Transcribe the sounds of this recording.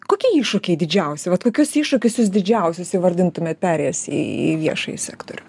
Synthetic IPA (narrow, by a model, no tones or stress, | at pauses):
koːkʲiɛiːʃʊkʲɛɪd̪ʲɪd͡ʒʲɛʊsʲɛʋɐt̪koːkʲʊsiːʃʊkʲʊsjʊsd̪ʲɪd͡ʒʲɛʊsʲʊsjʋɐɾʲd̪ʲɪnt̪ʊmʲeːt̪̚pʲæːɾʲejɛsḭḭʋʲiɛʃɐ̰jɪsʲæ̰ːkt̪o̰ɾʲʊ